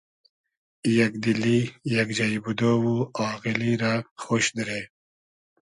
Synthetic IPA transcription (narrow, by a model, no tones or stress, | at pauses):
jɐkd̪ilijɐkd͡ʒajbud̪owuaːɣiliɾaxoːʃd̪ɾeː